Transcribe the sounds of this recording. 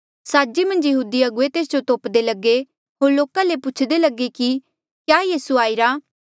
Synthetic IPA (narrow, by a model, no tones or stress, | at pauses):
saːd͡ʒimə̃nd͡ʒjəɦuːd̪iɐɡʊet̪eːs̬d͡ʒot̪oːpd̪elɐɡe | ɦoːɾloːkãlepʊt͡ʃʰd̪elɐɡeki | kjaːjiːsuaːiɾaː